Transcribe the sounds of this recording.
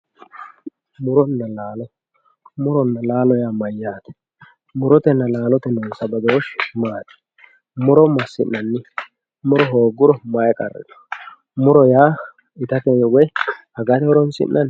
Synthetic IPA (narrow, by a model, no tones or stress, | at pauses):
mʊɾɔnːɐlaːlɔ | mʊɾɔnːɐlaːlɔjaːmɐjːaːt̪ɛ̥ | mʊɾɔt̪ɛnːɐlaːlɔt̪ɛnonsɐbɐd̪oɔʃmaːt̪ɛ̥ | mʊɾɔmɐsːɪ̰nːɐnːɪ | mʊɾɔɦoːɡːʊɾɔmɐjkʼɐ̰rːɛ̰d̪ɛ̥ | mʊɾɔjaː | ɪt̪ɐt̪ɛnɔwɔjhɐɡɐt̪ɛɔɾɔnsɪ̰nːʔɐn